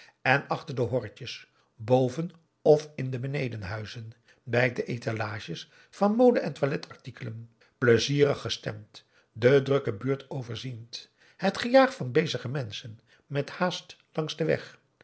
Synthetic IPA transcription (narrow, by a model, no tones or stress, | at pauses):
ɛnɑχtəɹdəɦɔɹcəs | bowvən | ɔfɪndəbənejdənɦœɥzən | bɛjk̚dəʔejtʰalaːʃəs | fɑnmowdəʔɛntʋalɛtʰɑɹtikələm | pləziːrəχːəstɛ̰mt | dədrɵkəbyːɹtʰowvəɹzint | hətχəjaːχfɑnbejzəχəmɛnsən | mɛthaːstlɑŋzdəʋɛ̰χ